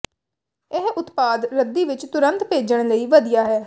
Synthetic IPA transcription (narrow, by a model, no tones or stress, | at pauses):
ɪɦʊt̪paːd̪ɾəd̪ːiːʋɪt͡ʃt̪ʊɾənt̪peːd͡ʒəɳ̃ləiːʋəd̪ijaːɦɛː